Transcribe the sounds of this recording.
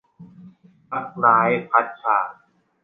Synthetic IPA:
ʔa˨˩t̚ɾaː˨˦jpʰa˦˥t̪̚t͡ɕʰaː˨˩k̚

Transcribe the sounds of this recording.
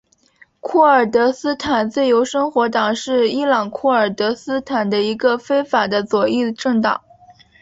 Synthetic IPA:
kʰwɔ˥˩ə˞˨˩t̪ɤ˧˥sɹ̩˥t̪ʰa˨˩nt͡se˥˩jo˧˥ʊʂɤ˥ŋxwɔ˧˥t̪ɑ˨˩ŋʂɻ̩˥˩i˥lɑ˨˩ŋkʰɔ˥˩ə˞˨˩t̪ɤ˧˥sɹ̩˥t̪ʰa˨˩nd̪ə˦i˧˥ɡə˧fe˥ɪfa˨˩d̪ə˦t͡swɔ˨˩i˥˧ʈ͡ʂɤ˥˩ŋt̪ɑ̰˨˩˦ŋ

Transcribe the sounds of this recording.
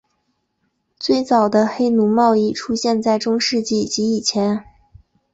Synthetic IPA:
t͡swe˥˩ɪt͡sɑ˨˩ʊd̪ə˦xe˥ɪnu˧˥mɑ˥˧ʊi˥˩ʈ͡ʂʰu˥ɕjɛ˥˧nt͡sa˥˩ɪʈ͡ʂʊ˥ŋʂɻ̩˥˧t͡ɕi˥˩t͡ɕi˧˥i˨˩t͡ɕʰjɛ˧˥n

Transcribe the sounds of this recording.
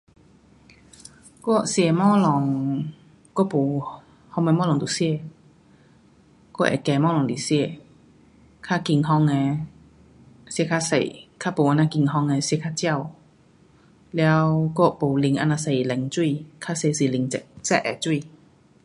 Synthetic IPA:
kɔ˥˩˨si˧˨mɔː˥˨lɔ˨˧ŋ | kɔ˥˨po˨ | hɔ˧ŋma˧mɔ˥lɔ˨ŋt̪u˨si˧˥˧ | kɔ˥˩ʔɛ̰˨kɛː˧˩mɔː˥˨lɔ˨˧˨ŋli˨si˧˥˧ | kʰaː˥˨ki˨˧˩ŋɦɔ˧˥ŋɛ˧ | skʰaː˥˨sa̰˨˩jkʰaː˥˨po˨ʔa˧naː˧˥ki˧˩ŋɦɔ˧˨ŋɛ˧˨skʰa˥˨t͡ɕi˧˨w | lɛ˨˦wkɔ˧˩˨po˨˩wli˧ŋʔa̰˧˨na˧sa˨˧˩jlɛ˨˦ŋt͡ɕu˥˧˨kʰaː˥˨se˧si˧˩˨li˨˧˨ŋt͡sɛ˧˨t͡sɛ̰˧ʔɛ˨˩t͡ɕu˥˩˨

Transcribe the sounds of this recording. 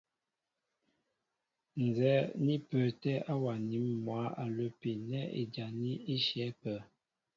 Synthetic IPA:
n˨zɛ˨˦ni˦pə˨tɛ˦a˦wa˨ni˨˦mːwa˨˦a˨lə˨pe˨nɛ˦ḛ˨d͡ʒa˨ni˦i˦ʃjɛ˨˦pə˨˦

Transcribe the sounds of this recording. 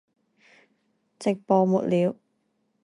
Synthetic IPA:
t͡sɪ˨k̚pɔː˨mu˨t̚liː˨˧˥w

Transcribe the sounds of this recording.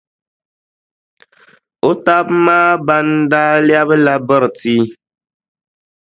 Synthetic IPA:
o˦ta˦bmaː˦ba˦ndaː˦lja˦βɨ˦la˦bɨ˦ɾɨ˨ti˦

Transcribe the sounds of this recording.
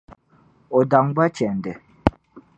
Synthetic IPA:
ɔ˨da˨ŋba˦t͡ʃɛ˨n˨dɛ˨

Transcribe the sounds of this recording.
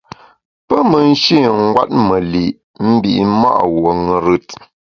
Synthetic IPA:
pə˦mə˨n̩˦ʃi˦˨ŋ̩˦ɡwa̰˦t̚mə˨li˨ʔ | m̩˦bi˨ʔma̰˦ʔwo˨ŋə˨ɾʉ˦t̚

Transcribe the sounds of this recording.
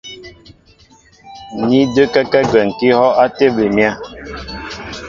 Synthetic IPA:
ni˦də˦kɛ˦kɛ˦ɡwɛ˨ŋ̩˨ki˦hɔ˦ʔa˦te˦be˨mja˦

